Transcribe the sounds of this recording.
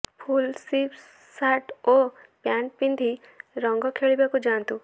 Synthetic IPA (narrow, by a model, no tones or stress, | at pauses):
pʰulsip | saʈo | pjãːɳʈ̚pĩnd̪ʱi | ɾɔ̃ŋɡɔkʰeɭibekod͡ʒaːnt̪u